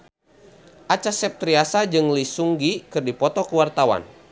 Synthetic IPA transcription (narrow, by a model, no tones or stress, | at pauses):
ʔat͡ʃasɛp̚t̪ɾiasad͡ʒɨŋlisuŋɡikɨrdipɔt̪ɔkuwart̪awa̰n